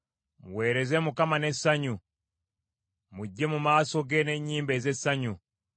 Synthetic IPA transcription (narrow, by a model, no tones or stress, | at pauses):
muweɾezemukamanesaɲu | muɟːemumaːsoɡeneɲiːmbezesaɲu